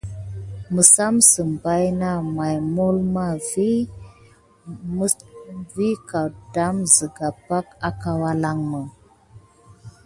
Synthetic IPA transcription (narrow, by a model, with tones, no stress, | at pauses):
mə˨sa˦msə˨mba˦jna˦ma˨jmo˦lma˦vi˦ | vi˦ka˨da˦mzə˨ɡa˨pa˦ka˨ka˦wa˦la˦ŋmə˨